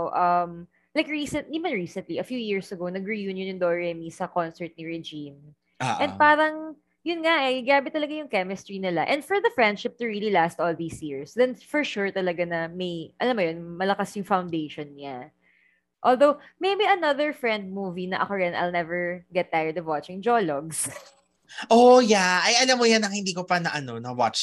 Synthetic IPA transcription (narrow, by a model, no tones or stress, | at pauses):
ʔɐm | lajkɹisɛnt̪̚limɐnɹiːsɛ̃nt̪liʔɐfjuːjɪɹsɐɡownɐɡɹijunjʊ̃nʊnd̪oɹɛmisɐkɔnsɛɹt̪̚niɹɛd͡ʒim | ʔɛ̃nd̪̚paːɾɐŋ | jʊnŋaʔɛɪɡɾaːbɪt̪ɐlɐɡajʊŋkɛmɪst̪ɹinɪla̰ʔɛ̃nd̪fɔɹðɐfɹɛ̃nd̪ʃɪp̚t̪ʊɹililast̪ʔoːlðiːsjiɹsd̪ɛnfɔɹʃʊɹt̪ɐlɐɡanɐmɐjʔɐlamːojonmɐlɐkasjʊŋfawnd̪ejʃɔnɲa | ʔoːlˠd̪owmejbiɐnɐðɛɹfɹɛ̃nd̪̚muːvinɐʔɐ̰kojɛnʔɐ̰jlnɛvɛɹɡɛt̪ːajəɹd̪ɔvwat͡ʃɪ̃ŋd͡ʒoloɡs | ʔojaʔɐjʔɐlamːojanɐŋhɪ̃nd̪iːkopɐnɐʔɐnonɐwa̰t͡ʃ